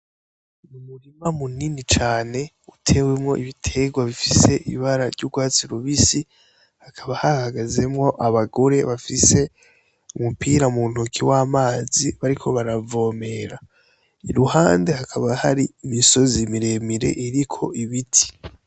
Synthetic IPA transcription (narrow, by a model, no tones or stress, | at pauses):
mumuɾimamuninit͡ʃaːne̞ | utʰe̞we̞mŋo̞ʔiβitʰe̞ɡwaβifise̞ʔiiβaɾaɾɟuːɡwaːt͡siɾuβisi | hakʰaβahaahaɡaze̞mŋo̞ʔaβaɡo̞ɾe̞βafise̞ | umupiɾamuːn̥ukʰiwaːmaːziβaɾikʰo̞βaɾavo̞ːme̞ɾa | ḭɾuhaːnde̞hakʰaβahaɾiːmiso̞zimiɾe̞miɾe̞̰ʔiɾikʰo̞̰ʔiβitʰi̥